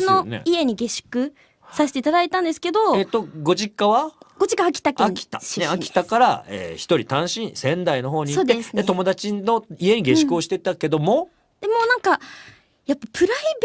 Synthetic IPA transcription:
no̞̰ie̞ɲ̟iɡe̞ɕɨ̥kɯ̟ | saɕe̥t̪eit̪ad̪ait̪ãnd̪e̞sɨ̥ke̞d̪o̞et̪o̞ɡo̞ʑikːaβaɡ̥o̞ʑikaakʲi̥t̪akeakʲi̥t̪a̰neakʲi̥t̪akaɾa̰ḛːçi̥t̪o̞ɾʲit̪ãɰ̃ɕĩɰ̃sẽ̞nd̪aino̞ɦo̞ːɲ̟ioːtd̪eset̪o̞mo̞d̪at͡ɕino̞ie̞ɲ̟iɡe̞ɕi̥kɯoɕi̥t̪et̪ake̞d̪o̞mo̞ | d̪̥e̞mo̞ːnãŋka | japːapʰɯ̟ɾaib

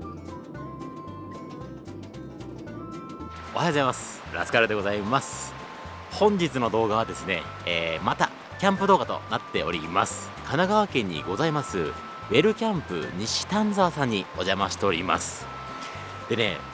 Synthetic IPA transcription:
ohajzaimasɨ̥ | ɾa̰skaɾad̪e̞ɡo̞zaimasɨ̥ | hõ̞ɲ̟d͡ʑit͡sɨno̞d̪o̞ːɡaβad̪e̞sɨne̞̰ː | mat̪a | kʲãmpɯ̟d̪o̞ːɡat̪o̞̰nat̪ːe̞o̞̰ɾʲḭma̰sɨ̥ | kanaɡaβakẽ̞ɲ̟ːḭɡo̞zaimasɨ | βe̞ɾɯ̟kʲãmpɯ̟̰ɲ̟iɕi̥t̪ãnd͡zaːsãɲ̟ːio̞ʑamaɕi̥t̪e̞o̞ɾʲima̰sɨ̥ | d̪̥e̞ne̞̰

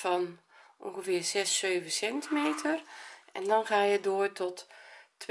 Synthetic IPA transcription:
fɔn | ɔ̰ŋɣəvɪːrzɛsøːvəsɛntimeːtʰərʔɛndɔnxaːjədoːrtʰɔtː

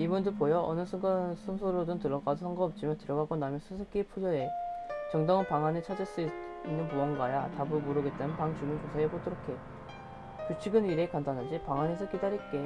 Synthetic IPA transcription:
ibundɯpojʌʔʌ̰nɯsʰɯŋɡansʰɯnsʰoɾodɯntɯɭːʌɡadosʰaŋɡʌʌp̚t͡ɕ͈ʰimjʌntɯɾjʌɡɦaɡonamjʌnsʰɯsʰɯk͈ipʰud͡ʑʌe̞t͡ɕʌŋdaŋɯnpaŋanit͡ɕʰad͡ʑiɭs͈uiinːɯnpuʌŋɡwaja̰tabɯɭmoɾɯɡet͈emɯnpaŋt͡ɕumɯnt͡ɕosʰaeɡot͈ɯɾʌkʰe̞ | t͡ɕut͡ɕʰiɡɯniɾe̞kandanɯnd͡ʑipaŋane̞s̬ʰʌkidaɾik͈e̞

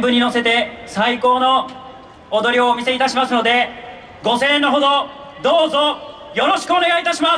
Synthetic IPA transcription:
mbɯ̟ɲ̟ːino̞se̞t̪e̞saiko̞ːno̞ː | d̪o̞ɾʲioːmʲise̞it̪aɕimasɨno̞d̪e̞ | ɡo̞sẽ̞ːnːoɦo̞d̪o̞ | d̪oːzo̞ | jo̞ɾo̞ɕi̥kɯ̟o̞ne̞ɡait̪aɕima

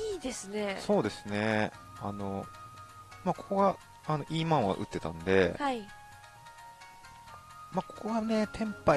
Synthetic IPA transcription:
iːd̪e̞sɨneso̞ːd̪e̞sɨne̞ | ano̞ | maːko̞ko̞ɡa | ano̞ʔiːmãɰ̃βa̰ʔɯ̟̰t̪ːe̞t̪ã̰nd̪e̞hai | maːko̞̥ko̞ɡane̞t̪ʰẽ̞mpa

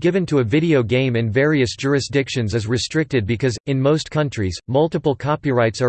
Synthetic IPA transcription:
ɡɪvɨ̃ntʰɨɨvɪɾioʊɡẽɪ̃mɨ̃nvɛɹiɨsd̥ʒ̥ʊɹɨsd̥ɪkʃɨ̃nzɨzɹɨstɹ̥ɪk̚tɨd̚bɨkʰʌzɨ̃nmoʊskʰʌ̃nt͡ʃɹ̥izmʌlˠtəpl̩ˠkʰɑpiɹaɪtsə

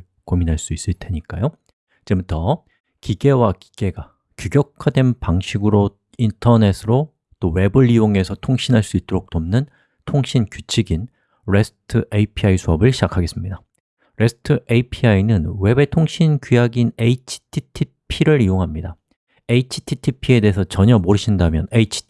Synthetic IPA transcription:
kominɦaɭs͈uis͈ɯɭtʰe̞ɲik͈a̰jo | d͡ʑe̞mutʰʌ | kiɡe̞waki̥ɡ̥e̞ɡa | kjuɡjʌkʰadwe̞npaŋɕʰiɡɯɾo | intʰʌne̞sʰɯɾo | t͈owe̞bɯɭːioŋe̞sʰʌtʰoŋɕʰinɦaɭs͈uit̚t͈oɾok̚t͈omnɯn | tʰoŋɕʰinkjut͡ɕʰiɡin | ɾe̞sʰɯ̥tʰɯʔeipʰiaisʰoʌbɯɭɕʰid͡ʑakʰaɡe̞s͈ɯmɲida | ɾe̞sʰɯ̥tʰɯʔeipʰiainɯnwe̞be̞tʰoŋɕʰinkujaɡineit͡ɕʰi̥tʰitʰipʰiɾɯɾijoŋɦamɲida | eit͡ɕʰi̥tʰitʰipʰie̞de̞ɦesʰʌt͡ɕʌɲʌmoɾɯɕʰindamjʌneit͡ɕʰi̥

